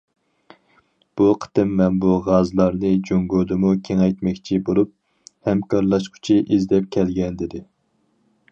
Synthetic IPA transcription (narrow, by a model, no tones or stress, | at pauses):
b̥uqʰə̥t̪ɨmːɛnbuʁɑzlˠɑɾnɨd͡ʒoŋɡod̪ɨmukʲʰeŋɛjt̪mɛkʲt͡ʃʰibolˠup̚ | hɛmkʰɑɾlˠɑʃqʰu̥t͡ʃʰiʔizd̪ɛp̚kʲʰɛlɡʲɛnd̪ɪd̪ɪ